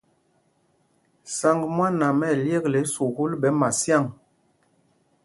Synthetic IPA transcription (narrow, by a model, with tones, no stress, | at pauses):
sa˨ŋɡmwa˦na˨mɛ˦˨lje˦˨kle˨˦su˨ɣu˦lbɛ˨˦ma˨sja˦˨ŋ